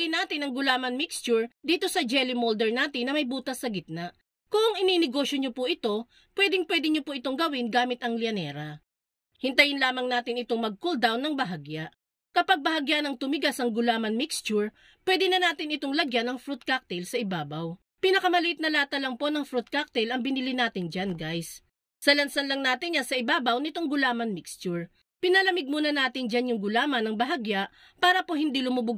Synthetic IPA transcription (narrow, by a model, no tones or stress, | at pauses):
ɪnaːt̪ɪnɐŋɡʊlaːmɐnmikst͡ʃʊɹd̪iːt̪o̞sɐd͡ʒɛlɪmold̪ɛɹnaːt̪ɪnːɐmɐjbuːt̪ɐsːɐɡɪt̪̚naʔ | koʔɐŋɪninɪɡo̞ːʃjoɲopʊʔɪt̪o̞ | pwɛːd̪ɪŋpwɛːd̪ɪɲopʊʔɪt̪o̞ŋɡɐwɪnɡaːmɪt̪ɐŋlɪɐnɛːɾɐ | hɪnt̪ɐjɪnlaːmɐŋnaːt̪ɪnɪt̪o̞ŋmɐɡ̚kold̪awnːɐŋbɐɦaɡjaʔ | kɐpɐɡ̚bɐɦɐɡjanɐŋt̪ʊmɪɡasɐŋɡʊlaːmɐnmikst͡ʃʊɹ | pwɛd̪ɛnɐnaːt̪ɪnɪt̪oŋlɐɡjanɐŋfɾut̪̚kak̚t̪ɛlsɐʔɪbaːbɐw | pɪnɐkɐmɐlɪt̪̚nɐlaːt̪ɐlɐŋpo̞nɐŋfɾut̪̚kak̚t̪ɛlɐŋbɪnilɪnaːt̪ɪnd͡ʒanɡajsː | ɐlɐnsɐnlɐŋnaːt̪ɪnjɐnsɐʔɪbaːbɐwnɪt̪o̞ŋɡʊlaːmɐnmɪkst͡ʃʊɹ | pɪnɐlɐmɪɡ̚muːnɐnaːt̪ɪnd͡ʒanjʊŋɡʊlaːmɐnɐŋbɐɦaɡjaʔ | paːɾɐpohɪnd̪ilʊmʊbʊ